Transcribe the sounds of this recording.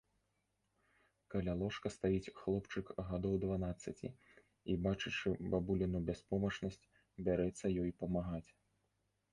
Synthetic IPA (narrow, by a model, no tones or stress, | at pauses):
kalʲalˠɔʂkɐst̪ajit͡sʲxlˠɔpt͡ʂɨkɣad̪ɔwd̪vanat̪sːɐt͡sʲḭ | ibat͡ʂɨt͡ʂɨbabulʲinubʲaspɔmɐt͡ʂnɐsʲt͡sʲ | bʲaɾɛt̪sːɐjɔjpɐmaɣat͡sʲ